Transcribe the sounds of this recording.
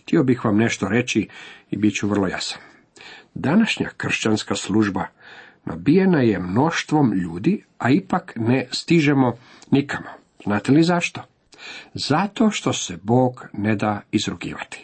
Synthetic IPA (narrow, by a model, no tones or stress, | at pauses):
xt̪io̞bixʋamne̞ʃt̪oɾe̞t͡ɕiibit͡ɕuʋr̩lˠo̞ja̰sḁn | d̪anaʃɲa̰kr̩ʃt͡ɕanskaslˠuʒba | nʔa̰bijenajemno̞ʃt̪ʋo̞mʎuːd̪i | aipaknest̪iʒemo̞ | nikʰamo | z̥naːt̪elizaʃt̪o̞ | zat̪o̞ʃt̪o̞sebo̞ːɡne̞d̪aizɾukḭːʋat̪i̥